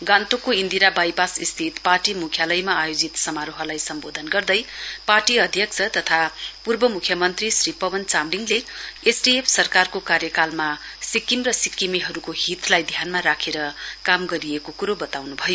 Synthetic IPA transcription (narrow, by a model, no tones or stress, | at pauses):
ɡant̪okoind̪iɾabajbasist̪ʰit̪parʈimukʰjalʌjmaːjod͡zit̪sʌmaɾoɦʌlajsʌmbod̪ʱʌnɡʌrd̪ʌjparʈiʌd̪ʱjʌk̚t͡sʰʌt̪ʌt̪ʰapurbʌmukʰjʌmʌnt̪risripʌbʌnt͡samliŋleesɖiepʰsʌrkarkokaɾjʌkalma | sikːimrʌsikimiɦʌɾukoɦit̪lajd̪ʱjanmaɾakʰeɾʌkamɡʌɾijekokuɾobʌt̪awnubʱʌjo